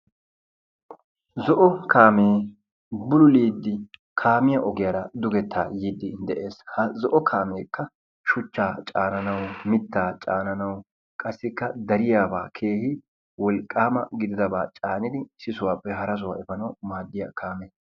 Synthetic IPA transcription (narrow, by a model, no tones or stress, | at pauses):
zɔʔɔkʰaːmeː | bʊlʊliːd̪ːɪ | kʰaːmɪjɐʔɔɡɪjaɾɐd̪ʊɡɛt̪ːaːjiːd̪ːɪd̪ɛʔe̞ːshɐzɔʔɔkʰaːmeːkːɐ | ʃʊt͡ʃːaːt͡ʃʼa̰ːnɐnɐwmɪt̪ːaːt͡ʃʼaːnɐnɐw | kʼɐsːɪkːɐd̪ɐɾɪjaːba̰ːkʰe̞ːhɪ | wɔlkʼːaːmɐ̰ɡɪd̪ɪd̪ɐbaːt͡ʃʼaːnɪd̪ɪsɪsʊwaːpːɛɦɐɾɐs̬ʊwa̰ːɛfɐnɐwmaːd̪ːɪja̰kʰaːmeː